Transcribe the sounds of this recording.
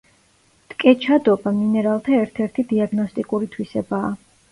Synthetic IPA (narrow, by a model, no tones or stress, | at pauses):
t̪ʼkʼɛt͡ʃʰad̪ɔbaminɛɾalˠt̪ʰaɛɾt̪ʰɛɾt̪ʰid̪iaɡnɔst̪ʼikʼuɾit̪ʰwisɛbaː